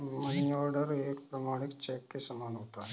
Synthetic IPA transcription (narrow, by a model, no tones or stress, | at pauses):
mənijɔːɾɖəɾeːkpɾəmaːɽ̃ɪkt͡ʃɛːkːesɐmaːnɦoːt̪aɦɛ